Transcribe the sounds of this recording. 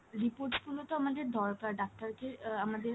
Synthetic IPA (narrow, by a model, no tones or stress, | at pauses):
ɾipoɾʈsfulot̪oamad̪eɾd̪ʱɔɾkaɾɖak̚ʈaɾkeamad̪e